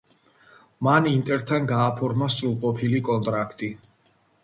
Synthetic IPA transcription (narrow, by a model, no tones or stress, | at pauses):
manint̪ʼɛɾt̪ʰanɡaːpʰɔɾmasɾulˠqʼɔpʰilikʼɔnt̪ʼɾakʰt̪ʼi